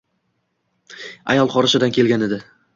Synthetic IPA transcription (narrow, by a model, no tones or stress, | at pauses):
a̰jɒlˠqɒɾɪʃɪd̪ankʲʰe̞lɡʲane̞d̪ɪ